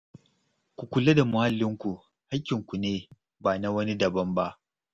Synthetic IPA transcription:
kʷu˨kʷʊ˨le˦da˨mʊ˨ha˦lːɪ˦ŋkʷu˨ | ha˦kʲːɪ˨ŋkʷu˨neː˦ | baː˨na˦wɐ˦ni˦dɐ˨bɐ˦mba˦ʔ

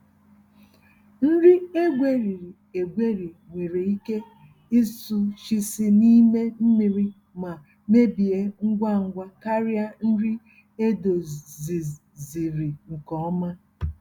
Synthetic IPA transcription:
n̩˦ɾi˦e˦ɡʷe˦ɾi˨ɾi˨ | e˨ɡʷe˦ɾi˨ | ŋʷe˨ɾe˨i˦ke˦ | i˦su˦ʃi˦si˦ni˦me˦m̩˦mi˨ɾi˦ | ma˨ | me˦bi˨e˦ŋ̩˦ɡʷa˦ŋ̩˦ɡʷa˦ka˦ɾja˦n̩˦ɾi˦ | e˦do˨zi˨ | zi˨ɾi˨ŋ̩˨kɔ˨˦ɔ˦ma˦

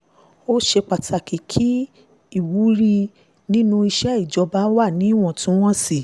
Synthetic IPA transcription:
o˦ʃe˧k͡pa˨tʰa˨ki˨kʰi˦ | i˦˨wu˨˦ɾi˧ | nĩ˦nũ˧i˧ʃɛ˦i˦˨d͡ʒɔ˧ba˦wa˦˨nĩ˨˦˨w̃ɔ̃˦˨tũ˨˦w̃ɔ̃˦si˦˨

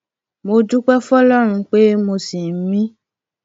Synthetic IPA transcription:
mo˧d͡ʒu˦k͡pɛ˦fɔ˦lɔ˦ɾ̃ũ˧k͡pe˦mo˧si˨n̩˦mĩ˦

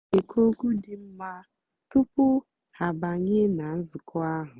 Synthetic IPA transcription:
e˨kʰo˦ɡu˦dɪ˨m̩˦ma˦ | tʊ˦pʊ˦ | ha˨ba˨ɲɪ˦na˨n̩˦zʊ˨kɔ˦a˦ɦʊ˨

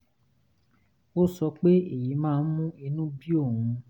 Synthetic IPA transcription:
wo˦sɔ˧k͡pe˦e˦˨ji˨˦mãː˦˧n̩˦mũ˦i˧nũ˦bi˦o˦˨hũ˨˧

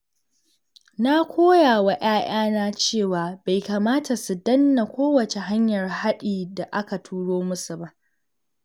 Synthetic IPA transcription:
na˦kʷoː˦jaː˨wa˨ʔaː˦j̰aː˦naː˦t͡ʃeː˦˨waː˨ba˨jkaː˨maː˦tʰa˨su˨dɐ˦nːa˨kʷoː˦wɐ˨t͡ʃe˨ɦa˦ɲjɐ˨rha˦ɗiː˨da˨ʔa˦ka˨tʰuː˦ɽoː˦mʊ˦su˨ba˦ʔ

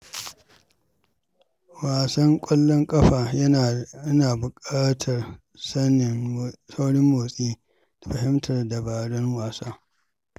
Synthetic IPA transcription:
waː˨sɐ˦ŋkʷʼɔ˦lːɔ˦ŋkʼɐ˦ɸaː˨ɐ˦˨ɐ˦naː˨bʊ˨kʼaː˦tʰɐ˨r | sɐ˦n˨sa˦wɽɪ˦mːoː˨sʼiː˦ | d̥a˨ɸɐ˨hɪ˦mtʰɐ˨rda˨baː˨ɽɔ˦ŋwaː˨saː˦

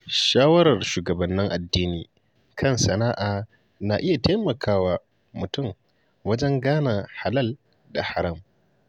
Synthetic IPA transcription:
ʃaː˦wɐ˦ɾɐ˨rʃuː˨ɡɐ˨bɐ˨nːɪ˦ŋʔa˨dːiː˦niː˦ | kʰɐ˦nsɐ˨naː˦ʔaː˨ | na˨ʔɪ˦ja˨ta˦mɐ˨kʰaː˦waː˦ | mʊ˨tʊ˦˨m | wɐ˦d͡ʒɛ˦ŋɡaː˦na˨ha˨lɐ˦˨l | da˨ha˨ɾɐ˦˨m

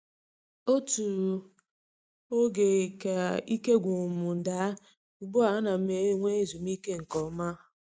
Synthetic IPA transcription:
o˦tu˨ | o˦ɡe˨ka˨i˦ke˦ɡʷu˨mu˨n̩˨da˨˦˨ | ɡ͡bʊ˦a˨a˦na˨˦me˨˦ŋʷe˦e˦zu˨m˦i˦ke˦ŋ̩˨kɔ˨˦ma˦

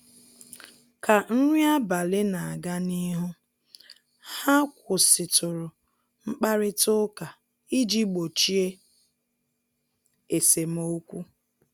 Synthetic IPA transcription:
ka˨n̩˦ŋʷi˦a˦ba˨lɪ˦na˨a˨ɡa˦ni˦ɦʊ˦ | ha˦kʷʊ˨sɪ˨tʊ˨ɾʊ˨ | ŋ͡m̩˦k͡pa˦ɾɪ˦tʊ˦ka˨ | i˦d͡ʒi˦ɡ͡bo˨t͡ʃi˦e˦ | e˨se˨m˦o˦kʷu˦

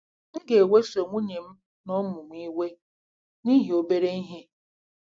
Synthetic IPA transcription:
n̩˦ɡe˨we˦so˨ŋʷu˦ɲe˨m̩˦ | nɔ˦mʊ˨mʷ˨˦i˦we˦ | ni˦ɦi˨o˨be˦ɾe˦i˦ɦe˦

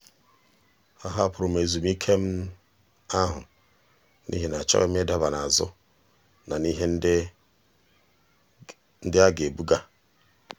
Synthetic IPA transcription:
a˨ɦa˦pɾo˨me˨zu˨mi˦kʰe˦m˦ | a˦ɦʊ̰˨ | nḭ˦ɦe˨n˨a˨t͡ʃa̰˦e˦m˦e˦da˦βa˨na˨zʊ̰˦ | na˨ni˦ɦe˦n˦ | n̩˦dɪ˦a˦ɡe˨bu˦ɡa˦

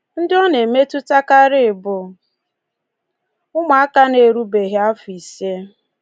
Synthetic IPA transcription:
n̩˦dɪ˦ɔ˦ne˨me˦tu˦ta˦ka˦ɾɪ˦˨bʊ˨ | ʊ˦ma˨a˦ka˦ne˨ɾu˦be˨ɣɪ˦a˦fʊ˨i˨se˦

